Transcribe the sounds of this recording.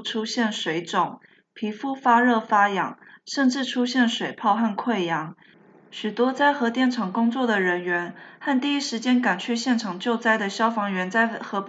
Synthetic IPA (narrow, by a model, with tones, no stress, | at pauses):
ʈ͡ʂʰu˥ɕjɛ˥˩nʂwe˧˥ɪʈ͡ʂʊ˨˩ŋ | pʰi˧˥fu˥fa˥ɻɤ˥˩fa˥jɑ̰˧˥˦ŋ | ʂə˥˧nʈ͡ʂɻ̩˥˩ʈ͡ʂʰu˥ɕjɛ˥˩nʂwe˨˩ɪpʰɑ˥˧ʊxa˥˩nkʰwe˥˩ɪjɑ˧˥ŋ | ɕy˨˩t̪wɔ˥t͡sa˥˩ɪxɤ˧˥t̪jɛ˥˩nʈ͡ʂʰɑ˨˩ŋkʊ˥ŋt͡swɔ˥˩d̪ə˩ɻə˧˥nɥɛ˧˥nxa˥˧nt̪i˥˩i˥ʂɻ̩˧˥t͡ɕjɛ˥nka˨˩nt͡ɕʰy˥˧ɕjɛ˥˩nʈ͡ʂʰɑ˨˩ŋt͡ɕjo˥˧ʊt͡sa˥˩ɪd̪ə˨ɕjɑ˥ʊfɑ˧˥ŋɥɛ˧˥nt͡sa˥˩ɪxɤ˧˥p